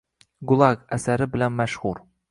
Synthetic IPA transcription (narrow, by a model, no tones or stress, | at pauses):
ɡʊlˠɑɡæsæɾɪbɪlænmæʃhʊɾ